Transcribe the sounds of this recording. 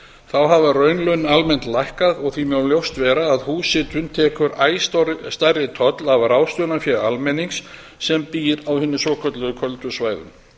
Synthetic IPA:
θawɦavarœɥnlœɥnalmɛn̥t̪lajhkaðɔɣθimjawljowst̪vɛːɾaːðhuːsɪt̪ʏnt̪ʰɛːkʏɾaːjst̪arːɪt̪ʰɔt̪lavraːwst̪jœnafjɛɾalmɛniŋksː | ɛmpiːɾawhɪnːʏsɔːkʰœt̪lʏðʏkʰœlt̪ʏsvaːjðʏ̰m

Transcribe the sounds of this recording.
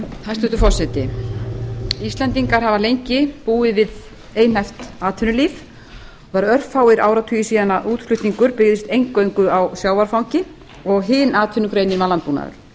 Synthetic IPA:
θast̪ʏt̪ʏfɔrsɛt̪ɪ | ist̪lɛnt̪iŋkaɾ̥ɦavalejɲcɪpuːɪvɪð | eːjn̥aft̪aːt̪ʰʏnʏliːf | aɾœr̥fawɪɾaːwɾat̪ʰyːjɪsiːðanaʔuːt̪fʰlʏht̪niŋkʏɾpɪɣðɪst̪ejŋkːœɥŋkʏawsjaːwvaɾ̥fawɲcɪ | ɔɣɦɪnaːt̪ʰʏnʏkɾeːjnɪmalanpuːna̰ðʏ̰ɾ̥

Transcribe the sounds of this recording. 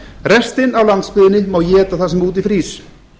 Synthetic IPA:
rɛst̪ɪnawlant̪spɪðɪnɪmawjɛːt̪aθasɛmuːt̪̬ifɾiːs

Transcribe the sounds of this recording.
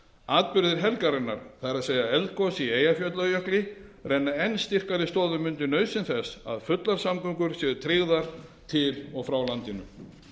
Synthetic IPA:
aːt̪̚pʏɾðɪɾɦɛlkaɾɪnːa̰ɾ̥θajɾaðseːjðaɛlt̪̚kɔsieːjafjœt̪lajœhklɪrɛnːaɛnːst̪ir̥kaɾɪst̪ɔːðʏmːʏnt̪ɪnœːɥsɪnθɛsa̰ðfʏt̪laɾ̥samkʏŋkʏɾ̥sjɛːðʏt̪ʰɾɪɣðaɾ̥t̪ʰɪlɔɣfɾawlant̪ɪnʏ̰m

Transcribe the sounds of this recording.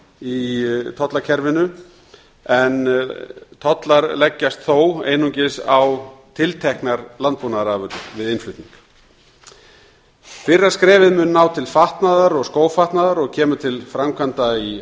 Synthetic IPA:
it̪ʰɔt̪lacʰɛɾvɪnʏ | ɛn | t̪ʰɔt̪laɾlɛcːast̪θoːwḛːjnuɲcɪsawt̪ʰɪlt̪ʰɛhknaɾlant̪̚punaɾavɾvɪðɪnflʏht̪niŋk | fɪrːaskɾɛːvɪðmʏnːaːwt̪ʰɪlfaht̪naðaɾɔɣskoːwfaht̪naðaɾɔɣcʰɛːmʏt̪ʰɪlfɾamkʰant̪ai

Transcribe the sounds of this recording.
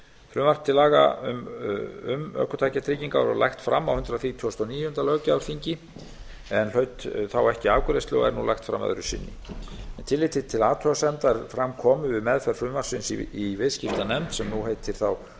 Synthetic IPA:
fɾʏːmar̥̚t̪ʰɪlaːɣa̰ʏ̰mʏmœ̰ːkʏt̪ʰaːjcat̪ʰɾɪciŋkaɾɔ̰lʔa̰jxt̪fɾamːawhʏnt̪ɾaθit̪ʰːust̪ɔniːjʏʏnt̪alœːcawfiɲcɪ | ɛnlœɥt̪θawɛhcɪaːvkʏɾest̪lɪɣɔ̰ɛ̰ɾnulajxt̪fɾa̰mːœ̰ðɾʏ̥sɪ̰nːɪ̰ɛnt̪ʰɪlːejt̪ɪt̪ʰɪlaːt̪ʰɔasɛmt̪aɾfɾamkʰɔːmʏvɪðmɛðfɛɾ̥fɾʏːmvar̥sɪnsiivɪðscɪft̪anɛmt̪sɛmnuhejt̪ʰːɪɾ̥θaw

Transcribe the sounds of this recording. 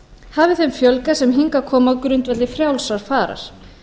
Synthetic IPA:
haːvɪθemfjœlkasɛmɦiŋkakʰɔːmaðkɾʏnt̪vɛt̪lɪfɾjawlsaɾ̥faːɾa̰ɾ̥

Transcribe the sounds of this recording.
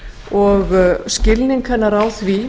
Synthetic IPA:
ɔɣscɪlniŋkʰanːaɾaːwθvi

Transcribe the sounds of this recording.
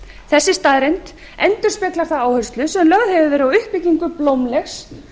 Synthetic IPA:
θɛsːɪst̪aðɾɪnt̪ | ɛnt̪ʏɾ̥spɛklaɾ̥θaaːwhœrst̪lʏsɛmlœɣðhɛvɪvɛɾʏawʏhpicːiŋkʏplowmlɛxs

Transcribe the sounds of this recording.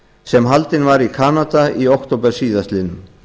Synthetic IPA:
sɛmɦalt̪ɪnvaɾikʰaːnat̪aiowhkt̪owpɛɾ̥siːðast̪lɪnʏm

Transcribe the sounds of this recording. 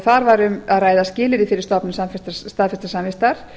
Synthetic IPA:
θaɾvaɾʏmaðraːjðascɪːlɪɾɪfɪɾɪ̥ɾst̪ɔpnʏsamfɪst̪st̪aːðfɪst̪ḁsamvɪst̪aɾ̥

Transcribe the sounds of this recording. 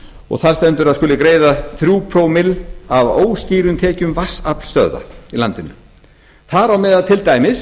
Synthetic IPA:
ɔ̰ɣθaɾ̥st̪ɛnt̪ʏɾaðskʏːlɪkɾeːjðaθɾjuːpʰɾowmɪlavoːwsciːɾʏnt̪ʰɛːcʏmvasapl̥st̪œ̰ða̰ila̰nt̪ɪnːʏ | θaɾawmɛːðaðt̪ʰɪlt̪aːjmɪs

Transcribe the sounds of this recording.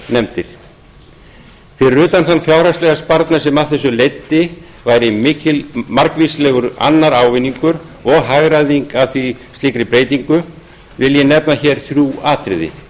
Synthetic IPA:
nɛmt̪ɪɾ̥ | θɪrʏːt̪anθanːfjawɾast̪ɛɣaspaɾt̪nasɛmaθɛs̬ːʏlejt̪ːɪ | vajɾɪmɪːcɪmaɾkvislɛɣʏɾa̰nːaɾaːwvɪnːiŋkʏɾ | ɔɣɦaɣɾaðiŋkavθist̪liːkɾɪpɾeːjt̪iŋkʏ | vɪljɛnɛpnaçɛɾ̥θɾjuːaːt̪ɾɪðɪ̰

